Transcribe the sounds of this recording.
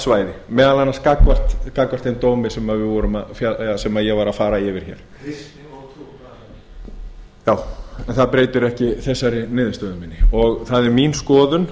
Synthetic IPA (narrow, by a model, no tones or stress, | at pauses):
svaːjðɪmɛːðalanːaskakvar̥t̪kakvar̥t̪ejnt̪oːwmɪsɛmaðvɪðvɔːɾʏmafjaasɛmaðjɛɣvaɾafaːɾaɪvɪɾ̥çɛ̰ːɾ̥ | jaːwɛnθaðpɾeːjt̪ɪɾɛhcɪθɛsːaɾɪnɪːðɪst̪œːðʏmiːnːɪɔɣθaðɛɾminskɔːðʏn